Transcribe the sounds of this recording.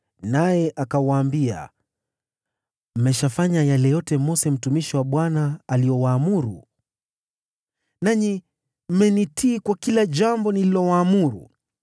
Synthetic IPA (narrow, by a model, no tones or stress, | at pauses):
najɛʔakawaːmbia̰ | m̩mɛʃafaɲajalɛjɔtɛmɔsɛm̩tumiʃiwaɓwanaːlijɔwaːmuɾṵ | naɲi | m̩mɛnitʰiːkwakilaʄambɔnililɔwaːmuɾṵ